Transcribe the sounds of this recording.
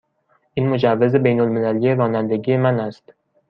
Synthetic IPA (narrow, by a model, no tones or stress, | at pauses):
ɪnmʊd͡ʒavːɪzɪbejnʊlˠmɪlalɡʲaɾɒnand̪ɪɡʲɪemanast̪